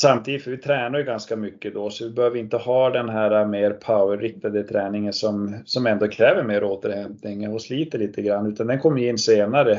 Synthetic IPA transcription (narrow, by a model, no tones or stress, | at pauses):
samt̪ʰiːd̪ɪt̪fɔvɪt̪ʰɾɛːnaɾjʉɡanskamʏkːəd̪ɔsɔvɪbɛhøːvəɾɪnt̪əhɑːd̪ɛnɦæːɾameːɾpʰaʊəɾɾɪk̚t̪ad̪ət̪ʰɾɛːnɪŋənsɔmsɔmɛnd̪oːkʰɾɛːvəɾmeːɾoːt̪əɾhɛmpnɪŋɔsliːt̪əɭiːt̪əɡɾanːʉːt̪and̪ɛnkʰɔmːjɪnːseːnaɾə